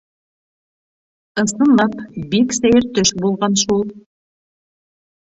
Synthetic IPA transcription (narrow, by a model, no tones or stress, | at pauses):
ɤ̆sɤ̆nɑpbiksæjɘɾt̪øʃbulˠʁɑnʃulˠ